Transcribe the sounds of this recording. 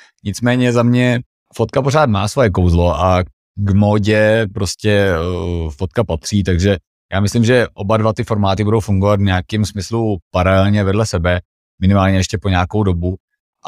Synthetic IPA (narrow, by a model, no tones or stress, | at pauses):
ɲɪt͡smɛːɲɛzamɲɛ | fot̪kapoɾaːt̪maːsvo̞jɛkowzlo̞ʔa | ɡmoːɟɛpɾoscɛ | fot̪̚kapat̪r̝̥iːt̪aɡʒɛ | jaːmɪslɪmʒɛʔo̞badvat̪ɪfo̞ɾmaːt̪ɪbudowfuŋɡovat̪vɲaakɪmsmɪslupaɾalɛlɲɛvɛdlɛsɛbɛ | mɪnɪmaːlɲɛjɛʃcɛpoɲaːkowdo̞bu | ʔ